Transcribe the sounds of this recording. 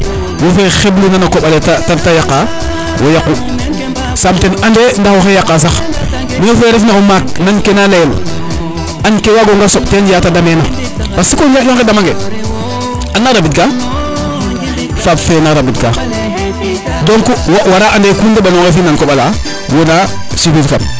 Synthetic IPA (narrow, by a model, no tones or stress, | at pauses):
wofexeblunanakoɓalettatajakːa | wʔo̰jaku | samtenandendaxoxejakːaːs̬ax | miofeːɾefnakomaknankenalel | ankewaɡoŋɡasoɓtenjatadamena | pasikoakjoŋedamaŋɡe | anːaɾabitka | fabfenaɾabit̚ka | doŋkuwwaɾaʔandekundaɓanokefinankoɓala | wona | sifitka̰p